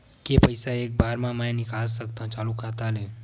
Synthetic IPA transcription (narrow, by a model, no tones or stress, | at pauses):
kepəjsaeːk̚bʱaːɾmãmə̃jnɪkals̬əkt̪ãt͡ʃaːlukat̪ale